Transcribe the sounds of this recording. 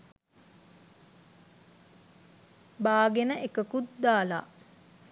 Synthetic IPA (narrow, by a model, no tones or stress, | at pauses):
baːɡenəʔekəkut̪d̪aːla̰ː